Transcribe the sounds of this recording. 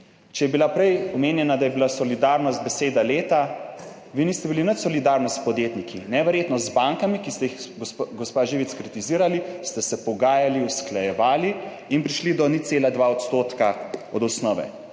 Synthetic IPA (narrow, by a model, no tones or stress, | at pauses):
t͡ʃɛjɛbilapɾɛjɔmeːnjɛnad̪ajɛbilasɔlid̪aːɾnɔst̪̚bɛseːd̪aleːt̪a | ʋinist̪ɛbilinət̪sɔlid̪aɾnɔst̪pɔd̪jet̪nikʰinɛʋɛɾjeːt̪nɔzbaŋkamikist̪ɛjixɡɔspaʒiːʋit̪skɾit̪iziːɾalist̪ɛsɛpɔɡaːjaliusklajɛʋaːli | inpɾiʃlid̪ɔniseːlad̪ʋaɔt̪st̪oːt̪kaɔd̪ɔsnɔːʋɛ̰